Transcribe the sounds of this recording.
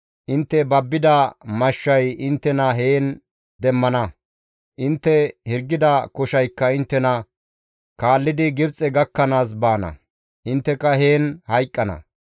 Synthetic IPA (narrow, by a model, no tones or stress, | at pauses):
ʔɪnt̪ːɛbɐbːɪd̪ɐmɐʃːɐjɪnt̪ːɛnɐɦeːn | d̪ɛmːɐnɐ | ʔɪnt̪ːɛhɪɾɡːɪd̪ɐkɔʃɐjkːɐɪnt̪ːɛnɐ | kaːlːɪd̪ɪɡɪbt͡sʼːɛɡɐkːɐnaːs̬baːnɐ̰ | ʔɪnt̪ːɛkːɐɦeːnhɐjkʼːɐnɐ̰